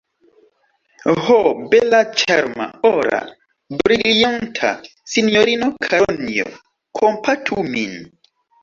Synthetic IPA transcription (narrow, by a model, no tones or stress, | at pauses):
hobɛlat͡ʃaɾma̰ɔɾa̰ | bɾilijantʰa̰ | sinoɾinokʰanio̰ | kʰompʰatʰumin